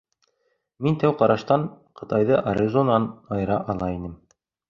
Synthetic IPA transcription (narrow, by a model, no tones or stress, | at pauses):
mint̪æwqɑɾɑʃt̪ɑɴ | qɤ̆t̪ɑjðɤʔɐɾʲizonɑnɑjɾɑʔɑlˠɑinɘm